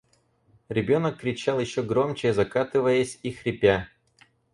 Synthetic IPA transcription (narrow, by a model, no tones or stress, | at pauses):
ɾʲɪbʲo̞nəkːɾʲɪt͡ɕalˠjɪɕːoɡɾo̞mt͡ɕɪzɐkat̪ɨvəjəsʲixɾʲɪpʲa